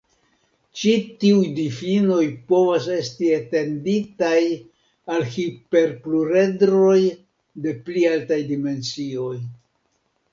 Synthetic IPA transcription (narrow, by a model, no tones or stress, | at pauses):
t͡ʃitiujdifino̞jpo̞vase̞stiete̞nditaj | alhipe̞ɾpluɾe̞dɾo̞j | de̞plialtajdime̞nt͡sio̞j